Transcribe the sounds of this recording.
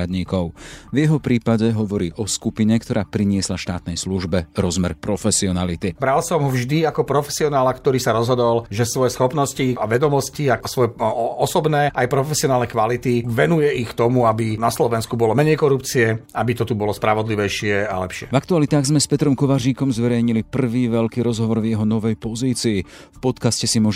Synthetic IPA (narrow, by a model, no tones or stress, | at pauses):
ad̪ɲiːkɔʊvjɛɦɔpɾiːpaɟɛɦɔʋɔɾiːʔɔskupiɲɛkt̪ɔɾaːpɾiɲɪɛslaʃt̪a̰ːt̪̚nɛjsluʒbɛɾɔzmɛɾpɾɔfɛsiɔnalit̪ibɾalsɔmɦɔvʒd̪iakɔpɾɔfɛ̥siɔnaːlakt̪ɔɾiːsaɾɔzɦɔd̪ɔlʒɛsʋɔjɛsxɔpnɔsciaʋɛd̪ɔmɔsciasʋɔjɛɔsɔbnɛːʔajpɾɔfɛsiɪɔnaːlnɛkʋalit̪iʋɛnujɛixkt̪ɔmuabinaslɔʋɛnskubɔlɔmɛɲɛjkɔɾupt͡siɛʔabit̪ɔt̪ubɔlɔspɾaʋɔd̪liʋɛjʃɪɛa̰lɛ̰pʃɪɛ̰vakt̪ualit̪aːɣzmɛspɛt̪ɾɔmkɔʋaʒiːkɔmzʋɛɾɛjɲilipr̩ʋiːʋɛʎkiːɾɔzɦɔʋɔɾvjɛɦɔnɔʋɛjpɔziːt͡siː | fpɔt̪kascɛsimʊɔʒ